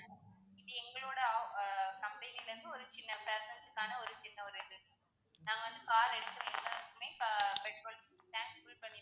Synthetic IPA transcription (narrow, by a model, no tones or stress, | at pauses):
ɪpːɐɛŋɡɐɭoːɽɐ | kɐmbɐnilɐɾɯnd̪ɯɔɾɯt͡ʃɪnːɐpeːsɛnd͡ʒɯkːaːnɐɔɾɯt͡ʃɪnːɐɔɾɪðɯ | naːŋɡɐʋɐnd̪ɯkaːɾɛɽɯk̪ːɐʋɐɛŋɡaɾɯkːɯmeːpɛʈ̚poːl | t̪aːŋsfulpɐɳːɪ